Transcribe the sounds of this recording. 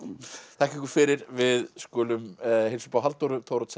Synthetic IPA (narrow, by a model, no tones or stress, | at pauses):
t̪ʰahkcɪŋkʏɾfɪɾɪɾvɪðskɔːlʏmhejlsʏ̥pawɦalt̪oɾʏt̪ʰoːwɾɔt̪sɛ